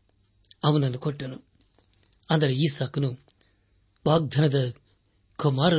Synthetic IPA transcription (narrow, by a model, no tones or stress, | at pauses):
ɐʋɐnɐnːukɔʈːɐnu | ɐnd̪ɐɾeiːsaːknu | baːɡ̚d̪ʱɐnɐd̪ɐ | kumaːɾɐ